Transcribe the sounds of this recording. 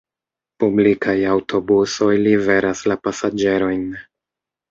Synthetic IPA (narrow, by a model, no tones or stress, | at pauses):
publikajawtʰo̞buso̞jlive̞ɾaslapasad͡ʒe̞ɾo̞jn